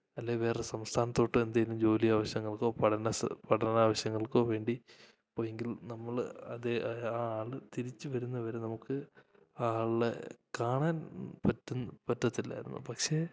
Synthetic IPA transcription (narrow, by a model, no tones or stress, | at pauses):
ɐlːeʋe̞ːresɐmst̪ʰaːnɐt̪ːo̞ːʈːɨe̞nd̪aːjilumd͡ʑo̞ːlijaːʋɐɕjɐŋːɐɭko̞ːpɐɽɐnɐspɐʈʰɐnnaːʋɐɕjɐŋːɐɭkoːʋe̞ːɳɖi | poːjeŋɡilnɐmːɐɭɐðeaaːɭɨt̪iɾit͡ɕːɨʋɐɾunːɐʋɐɾe̞nɐmukːɨ | aaːɭḛkaːɳaːnpɐtːunːpɐtːɐt̪ːilːa̰ːjiɾunːṵpɐkʂe̞ː